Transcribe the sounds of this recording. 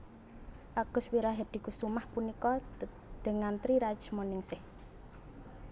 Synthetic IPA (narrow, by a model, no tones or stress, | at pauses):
ʔaɡ̥ʊ̤swiɾaɦɛrd̪̥i̤kusumahpunikɔ | d̪̥ə̤ŋant̪ɾiɾḁt͡ʃmɔnɪŋsɪh